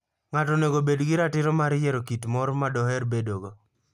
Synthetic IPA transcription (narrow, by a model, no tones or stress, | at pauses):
ŋatɔneɡobedɡɪɾatɪɾɔmaɾjɛɾokitmɔɾmadɔhɛɾbedoɡo